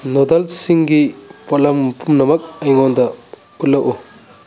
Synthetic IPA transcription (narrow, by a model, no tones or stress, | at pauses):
nɔdɐlsiŋɡipɔlɐmpʰumnɐmɐk̚ɐjŋɔndɐ | utlːɐwʔu